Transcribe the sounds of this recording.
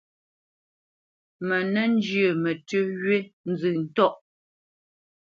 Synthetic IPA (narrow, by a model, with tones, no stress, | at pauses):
mɛ˨nɛ˦n˦d͡ʒjə˨mɛ˨tʉ˦ɣɥe˦n̩˦zʉ˨n̩˨tɔ˦ʔ